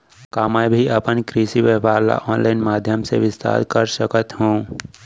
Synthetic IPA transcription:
kaːmajbʱiɐpənkɾiːsiʋəpaːɾla̰ʔɔːnlaːɪnmaːd̪ʱjəmsḛʋɪst̪ʰa̰ːɾkəɾsəkət̪ɦũː

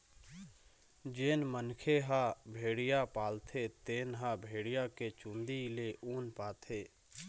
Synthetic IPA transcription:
d͡ʒeːnmənkʰeɦabʱeːɽijapaːlt̪ʰet̪eːnɦabʱeːɽijaket͡ʃũːnd̪ileʔuːnpaːt̪ʰeː

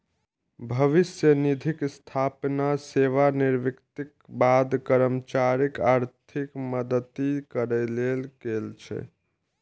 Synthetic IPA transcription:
bʱəʋisjənid̪ʱikst̪ʰapnaseʋaniɾʋikt̪ik̚bad̪kəɾəmt͡ʃaɾikaɾt̪ʰikməd̪ət̪ikəɾəlelɡelt͡ʃʰɛ̰

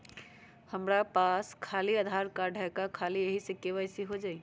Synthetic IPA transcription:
həmɾapaskʰaliəd̪ʱaɾkaɖʱəkakʰalieɦisekeʋaɪsiɦod͡ʒai

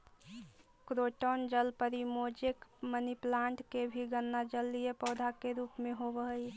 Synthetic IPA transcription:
kɾoʈond͡ʒəlpəɾimod͡ʒekməniplaɳʈkebʱiɡənːad͡ʒəlːijepəʊd̪ʱakeɾuːpmẽɦobəɦəj

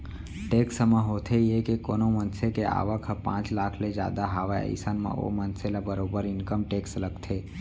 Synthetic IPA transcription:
ʈeːksəmãɦot̪ʰejekekoːnomənsekea̰ːʋəkʰəpã̰ːt͡ʃlaːkʰled͡ʒja̰ːd̪aɦaːʋaə̰ɪsənmã̰o̰mənselabəɾobəɾɪnkəmʈeːksləɡt̪ʰe

